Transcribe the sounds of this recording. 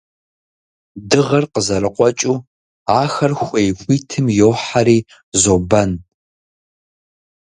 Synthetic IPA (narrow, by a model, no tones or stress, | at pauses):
dɨʁɐrqəzɐɾɨqʷʼɔt͡ʃʼuː | aːxɐrxʷejxʷʼiːtʰɨmjoːħaɾiː | zobɐn